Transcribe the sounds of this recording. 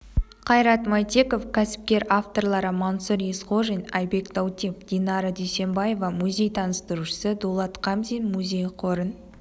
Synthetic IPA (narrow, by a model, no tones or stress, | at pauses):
qʰɑjɾɑt̪mɑjt̪ʲe̞ko̞fkʲʰæsɪ̥p̚kʲe̞ɾaft̪o̞rlˠɑɾəmansuɾjesqo̞ʒenʲɑjbe̞kd̪awt̪ʲifd̪̥ʲinɑɾəd̪ejse̞mbɑje̞vɑmuzʲe̞jt̪ʰɑnəst̪əɾuʃə̥səd̪olˠɑt̪qʰɑmzʲinmuzʲe̞jqʰo̞ɾən